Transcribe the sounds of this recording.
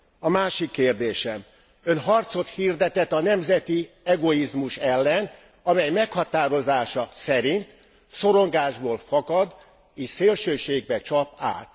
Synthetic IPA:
ɒmaːʃikːeːrd̪eːʃɛm | ønɦɒrt̪so̞t̪hiːrd̪ɛt̪ɛt̪ɒnɛmzɛt̪i | ɛɡo̞izmuʃɛlːɛn | ɒmɛjmɛkhɒt̪aːɾo̞zaːʃɒsɛɾint̪ | so̞ɾoŋɡaːʒboːlfɒkɒd̪ | eːʃseːlʃøːʃeːɡ̚bɛt͡ʃɒpa̰ːt̪

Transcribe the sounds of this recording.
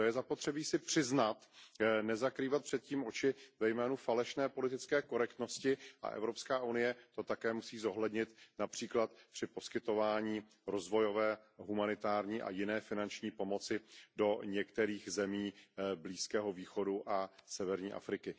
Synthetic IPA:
ojɛzapo̞t̪r̥ɛbiːsɪpr̥ɪznat̪nɛzakɾiːvat̪̚pr̝̥ɛt̪̚ciːmʔo̞t͡ʃɪvɛjmɛːnufalɛʃnɛːpo̞lɪt̪ɪt͡skɛːko̞ɾɛkt̪no̞scɪʔa̰ʔɛ̰vɾo̞pskaːʔunɪjɛt̪o̞t̪akɛːmusiːzo̞ɦlɛdɲɪt̪napr̝̥iːklat̪pr̥ɪpo̞skɪt̪o̞vaːɲiː | ɾo̞zvo̞jo̞vɛːɦumanɪt̪aːɾɲiːʔa̰jɪnɛːfɪnant͡ʃɲiːpo̞mo̞t͡sɪdo̞ɲɛkt̪ɛɾiːxzɛmiːbliːskɛːɦo̞viːxo̞duʔasɛvɛɾɲiːʔa̰fɾɪkɪ

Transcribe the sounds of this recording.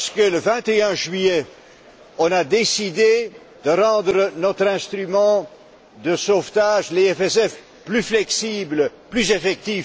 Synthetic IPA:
sə̥kələvɛ̃t̪eœ̃ʒɥije | ɔ̃nad̪esid̪e | d̪̥əʁɑ̃ːd̪ʁənɔt̪χɛ̃st̪χymɑ̃ | d̪əsoft̪aʒleɛfɛsɛf | plyflɛksibləplyzefɛk̚t̪if

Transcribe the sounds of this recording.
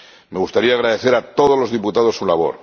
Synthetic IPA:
meɣust̪aɾiaːɣɾaðe̞θeɾat̪o̞ðo̞zlo̞zðiput̪aðo̞sulaβo̞̰ɾ

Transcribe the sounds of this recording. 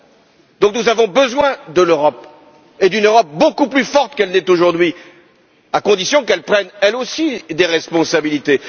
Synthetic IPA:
d̪ɔ̃k̚nuzavɔ̃bəzwɛ̃d̪əløʁɔp | ed̪ynøʁɔp̚bokuplyfɔʁt̪kɛlnɛt̪oʒuʁd̪ɥi | akɔ̃d̪isjɔ̃kɛlpχɛnɛlosid̪eʁɛspɔ̃sabilit̪e

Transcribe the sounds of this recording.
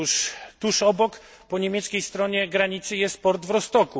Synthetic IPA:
ʂt̪uʂɔbɔk | pɔɲemʲɛt̪skʲejst̪ɾɔɲɛɡɾaɲit̪sɘjɛst̪̚pɔɾd̪vɾɔst̪ɔku

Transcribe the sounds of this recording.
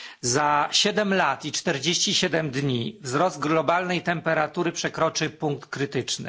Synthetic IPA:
zaɕɛd̪ɛmlat̪it͡ʂt̪ɛɾd͡ʑeɕt͡ɕiɕɛd̪ɛmd̪ɲivzɾɔzd̪̚ɡlɔbalnɛjt̪ɛmpɛɾat̪uɾɘpʂɛkɾɔt͡ʂɘpuŋk̚t̪kɾɘt̪ɘt͡ʂnɘ̰

